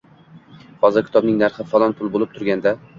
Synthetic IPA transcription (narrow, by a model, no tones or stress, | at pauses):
hɒzɪɾkʲʰɪ̥t̪ɒbnɪŋnaɾχɪfalˠɒnpʰʊlˠbolˠɪp̚t̪ʰʊɾɡʲand̪a